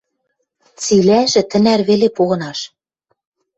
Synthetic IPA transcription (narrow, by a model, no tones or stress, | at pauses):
t͡silæʒɘ̆t̪ɘ̆nærβelepoɣɤ̆nɑʃ